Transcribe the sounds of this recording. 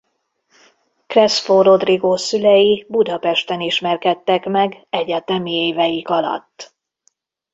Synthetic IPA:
krɛsfoɾo̞d̪riɡoːsylɛjibud̪ɒpɛʃt̪ɛniʃmɛrkɛt̪ːɛkmɛɡɛɟɛt̪ɛmieːvɛjikɒlɒ̰t̪ː

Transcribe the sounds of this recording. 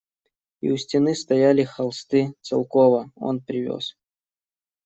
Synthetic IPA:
ḭusʲtʲɪnɨst̪ɐjalʲɪxɐlˠst̪ɨt̪sɨ̰lˠkovəo̰npɾʲɪvʲo̰s

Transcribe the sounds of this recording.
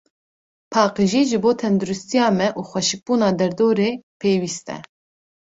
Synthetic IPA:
pʰɑːqɨʒiːʒɨboːt̪ʰɛnd̪uɾust̪ijɑːmɛʔuːxʷɛʃɪk̚b̥uːnɑːd̪ɛɾd̪oːɾeːpʰeːwiːst̪ɛ̰

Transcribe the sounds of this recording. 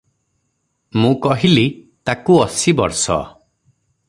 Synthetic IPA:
mũkɔɦili | t̪akuɔsibɔ̰ɾsɔ̰

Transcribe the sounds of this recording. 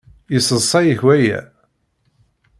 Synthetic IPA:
jəsəsˤɑjəçwæjæ̰

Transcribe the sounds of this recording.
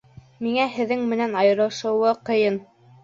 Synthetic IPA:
miŋæhɘ̆ðːɘŋmɘ̆nænɑjɤ̆ɾɤ̆ʃɤ̆wɤqɤ̆jɤn

